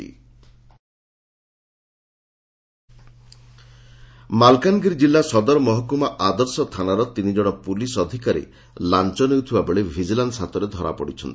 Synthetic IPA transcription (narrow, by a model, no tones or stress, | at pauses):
ḭ | malkanɡiɾd͡ʒilːasɔd̪ɔɾɔmɔɦɔkumaʔad̪ɔɾsɔt̪ʰanaɾɔt̪inid͡ʒɔɽ̃ɔpulisɔd̪ʱikaɾḛ | lant͡ʃɔnewt̪ʰibabeɭebʱid͡ʒiland̪sat̪ɔɾed̪ʱɔɾa̰pɔɽit͡ʃʰɔnt̪i